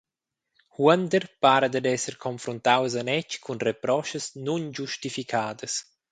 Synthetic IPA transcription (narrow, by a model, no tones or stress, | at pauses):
huand̪əɾpaːɾad̪ad̪ɛsəɾkʰonfɾunt̪awezanɛt͡ʃkʰunrepɾɔʃəsnund͡ʒuʃt̪ifikʰaːd̪əs